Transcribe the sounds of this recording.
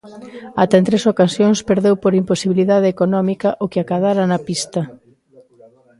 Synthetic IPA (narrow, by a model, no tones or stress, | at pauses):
at̪ɛnt̪ɾesokasjoŋspeɾðewpoɾimposiβiliðaðeekonɔmikɐʔokeakaðaɾɐnɐpist̪ɐ